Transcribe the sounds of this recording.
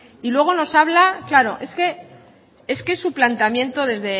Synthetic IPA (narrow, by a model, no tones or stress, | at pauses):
ilwe̞ɣ̞o̞no̞saβlaklaɾo̞̰ʔe̞ske̞ | e̞skesuplant̪amjẽ̞nt̪o̞ðe̞zðe̞